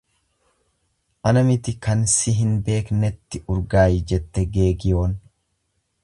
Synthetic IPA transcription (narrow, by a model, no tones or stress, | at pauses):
ʔɐnɐmɪt̪ɪkɐnsɪɦɪnbe̞ːknɛt̪ːɪʊɾɡaːjɪd͡ʒɛt̪ːɛɡe̞ːɡɪjo̞ːn